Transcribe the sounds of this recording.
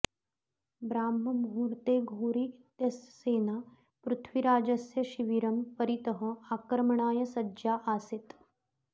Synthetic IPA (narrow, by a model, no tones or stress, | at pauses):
bɾaːmːɐmɦuːɾt̪eːɡʱoːɾit̪jɐsːeːnaː | pɾut̪ʰʋiɾaːd͡ʒɐsjɐʃiʋiɾɐmpəɾit̪əɦəakɾɐmɐɳaːjɐsɐːjaʔaset̪